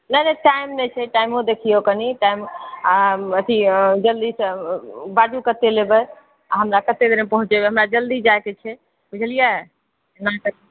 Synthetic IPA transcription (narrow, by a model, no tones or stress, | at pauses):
nənəʈaimnɛt͡ʃʰɛʈaimod̪ekʰijokəniʈaimaət̪ʰid͡ʒəld̪isə̃bad͡ʒukət̪elebə | aɦəmɾakət̪ed̪eɾmepəɦũt͡ʃebɛɦəmɾad͡ʒəld̪id͡ʒaket͡ʃʰɛ | bud͡ʒʱəlija | nakəɾ